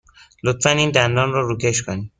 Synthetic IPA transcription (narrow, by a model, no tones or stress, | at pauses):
lot̪fæniːnd̪ænd̪ɒːnrɔːɾukʲʰeʃkʰoni